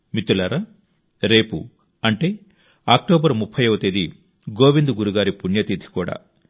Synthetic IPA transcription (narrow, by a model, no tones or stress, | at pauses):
mit̪ulɐɾɐ | ɾe̞ːpṵ | ɐɳʈe̞ː | aːk̚ʈoːbɐɾmupʰːɐjɐʋɐt̪ed̪i | ɡoːʋind̪uɡuɾuɡaːɾipuɳjɐt̪id̪ʱi̥kuːɽa̰ː